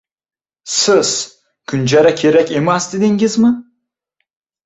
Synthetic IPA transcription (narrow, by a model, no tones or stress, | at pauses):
sɪz̥ | kʲʰʊnd͡ʒaɾakʲʰeɾækʲemasd̪ɪd̪eŋɡʲɪzmɪ